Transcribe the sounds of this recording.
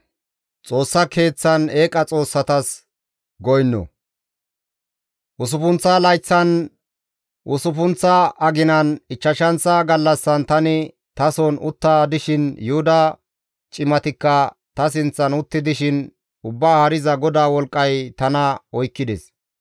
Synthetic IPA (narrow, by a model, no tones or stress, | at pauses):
t͡sʼo̞ːsːɐkʰe̞ːt͡sːɐneːkʼɐt͡sʼo̞ːsːɐt̪ɐs | ɡɔjnːɔ̰ | ʔʊs̬ʊpʊnt͡sːɐlɐjt͡sːɐn | ʔʊsʊp̬ʊnt͡sːɐɐɡɪnɐnɪt͡ʃːɐʃɐnt͡sɐɡɐlːɐsːɐnt̪ɐnɪ | t̪ɐsɔnʊt̪ːaːd̪ɪʃɪnjʊhʊd̪ɐ | t͡ʃʼɪmɐt̪ɪkːɐ | t̪ɐs̬ɪnt͡sːɐnʊt̪ːɪd̪ɪʃɪn | ʊbːaːhɐɾɪzɐɡɔd̪aːwɔlkʼːɐjt̪ɐnɐɔjkːɪd̪ɛs